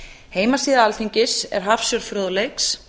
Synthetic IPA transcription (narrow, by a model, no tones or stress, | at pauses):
heːjmasiːðaalθiɲcɪsɛ̰ɾ̥ɦafsjœɾfɾœːðlejks